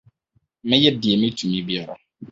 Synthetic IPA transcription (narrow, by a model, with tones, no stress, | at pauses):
mɪ̃˦jɛ˦di˨ɛ˨mɪ̃˦tʰu˨mĩ˦bi˦ɛ˨ɾɔ̰˨